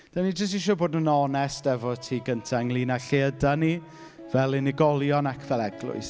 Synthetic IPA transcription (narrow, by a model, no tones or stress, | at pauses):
d̥anid͡ʒəs̬tɪʃ̬ɔboːdnənɔnɛstɛvɔtʰiːɡəntʰaŋlˠiːnaɬeədani | vɛlˠɪnɪɡɔlˠjɔnakʰv̥ɛlˠɛɡlˠʊ̰ɨs